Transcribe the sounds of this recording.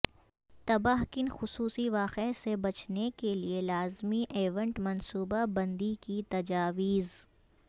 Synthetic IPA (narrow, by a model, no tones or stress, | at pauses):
t̪ɐbaɦkɪnxʊsuːsiʋaːqesebɐt͡ʃnekelielaːzmiʔeːʋə̃ɳʈmɐnsuːbabɐ̃nd̪ikit̪ɐd͡ʒaːʋiːz